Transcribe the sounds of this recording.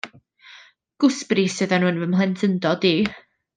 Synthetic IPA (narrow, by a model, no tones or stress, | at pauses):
ɡ̥ʊsbrisɨðanunvəmlˠɛntʰəndɔdi